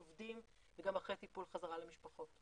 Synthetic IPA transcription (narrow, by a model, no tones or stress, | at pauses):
ovdim | veɡamaχʁet̪ipulχazaʁalemiʃpaχo̞t